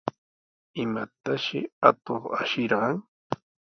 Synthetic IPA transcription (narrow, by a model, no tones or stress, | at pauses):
ɪmat̪aʃɪat̪oχa̰ʃɪɾɢɑŋ